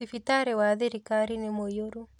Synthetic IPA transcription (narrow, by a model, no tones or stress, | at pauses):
ifitaɾɛwaðeɾikaɾinemojoɾu